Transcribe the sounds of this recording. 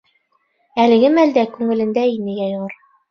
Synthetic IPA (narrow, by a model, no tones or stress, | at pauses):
ælɘ̆ɡɘmæld̪ækʉŋɘ̆lɘ̆nd̪æinɘjæjoʁɤɾ